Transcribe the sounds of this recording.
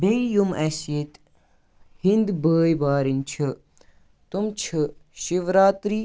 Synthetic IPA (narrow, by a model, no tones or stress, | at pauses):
beijumɐsjet̪ | hind̪bəːjbaːɾint͡ʃʰɨ | t̪umt͡ʃʰɨʃiʋɾaːt̪ɾi